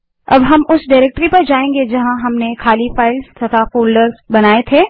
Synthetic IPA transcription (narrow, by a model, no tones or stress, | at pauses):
ɐ̰bɦɐmʊsɖaɪɾɛːk̚ʈɾipɐɾd͡ʒaːẽːŋɡed͡ʒɐɦãɦɐmnekʰaːlifaːɪlst̪ʰɐt̪ʰafoːlɖəɾbɐnaːet̪ʰeː